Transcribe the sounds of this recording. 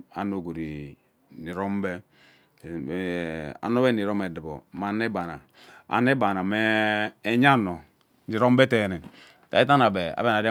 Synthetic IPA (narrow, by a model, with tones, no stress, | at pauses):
a̰˨no˨ɡo˨ɾḭ˨ | ni˨ɾo˦m˦bɛ˦˨ | a̰˨no˦bɛ˦ni˨ɾo˦me˨di˨bo̰˨ma˨˦ne˦ba˨na̰˨ | a̰˨ne˦ba˨na˨mɛː˦ɲa˦˨no˨ | ni˨ɾo˦m˦be˦te˨nɛ˨n | ta̰˨i˦t̬a˦na˨be˨a̰˨be˦˨a˨de˦